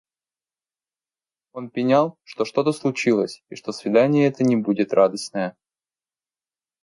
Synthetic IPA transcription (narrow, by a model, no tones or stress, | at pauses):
o̞npʲɪnʲalˠʂt̪o̞ʂt̪o̞t̪əslˠʊt͡ɕilˠəsʲiʂt̪o̞svʲɪd̪anʲɪjəɛt̪ənʲɪbudʲɪt̪rad̪əst̪nəjə